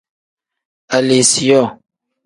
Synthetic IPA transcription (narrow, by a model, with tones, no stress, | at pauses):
a˨le˨si˨jɔ˦˨